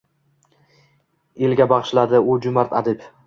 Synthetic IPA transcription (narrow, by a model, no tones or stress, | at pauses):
elɡʲabɑʁʃlad̪ɪʊd͡ʒʊmaɾt̪ʰad̪ɪp